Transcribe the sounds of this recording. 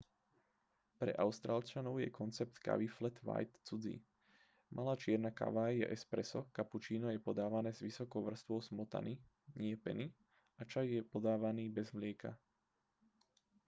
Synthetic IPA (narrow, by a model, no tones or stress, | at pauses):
pɾɛ̰ʔaʊst̪ɾaːlt͡ʃanɔʊjɛ̰kʰɔnt͡sɛp̚t̪ka̰ʋiflɛt̪ʋa̰jt̪t͡sud͡zḭ | mʔalaːt͡ʃɪɛɾnaka̰ʋajɛ̰ʔɛspɾɛsɔkaput͡ʃiːnɔjɛpɔd̪aːʋanɛːzʋisɔkɔʊʋr̩st̪ʋɔʊsmɔt̪a̰ni | ɲɪɛpɛ̰ni | at͡ʃajjɛpɔd̪aːʋaniːbɛzmlɪɛka̰